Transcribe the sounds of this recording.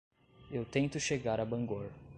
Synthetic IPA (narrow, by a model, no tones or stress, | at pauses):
ewt̪ẽnt̪ʊʃeɡaɾabɐ̃ŋɡoɾ